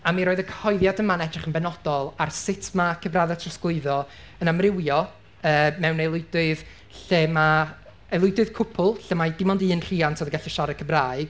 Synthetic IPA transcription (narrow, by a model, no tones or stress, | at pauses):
amiɾoːɨðəkʰə̥hɔɨðjadəmanɛdrɪχənbɛnɔd̥ɔlˠarsɪtʰmakʰəbraðatʰrɔsklʊɨðɔ | ənamrɪwjɔ | əːmɛwnelˠʊɨjdʊɨð | ɬeːma | elˠʊɨdʊɨð̥kʰʊpʰʊlˠɬeːmadɪmɔndiɨːnr̥iːantʰoːðəɡaɬiʃaɾɛkʰəbraːɨɡ̥